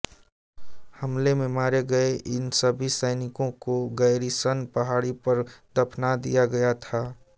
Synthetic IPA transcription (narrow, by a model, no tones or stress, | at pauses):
həmlemẽmaːɾeɡəeʔɪnsəbʱisəɪnɪkõkoɡəɪɾisənpəɦaːɽipəɾd̪əpʰnad̪ḭjaɡɐjat̪ʰaː